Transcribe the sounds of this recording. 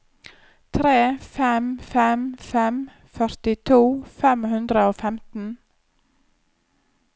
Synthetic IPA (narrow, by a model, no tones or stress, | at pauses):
t̪ʰɾeːfɛmfɛmfɛm | fœɾt̪ɪt̪ʰuːfɛmhʉnd̪ɾəoːfɛmt̪n̩